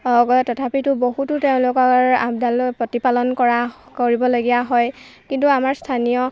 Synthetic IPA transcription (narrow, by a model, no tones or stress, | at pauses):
ɔɡtɔtʰapitʊbohutʊteʊ̃lʊkɔɹa̰bdalpɹɔtipalɔnkɔɹa | koɹibɔloɡijaɦɔjkintuamaɹstʰanijɔ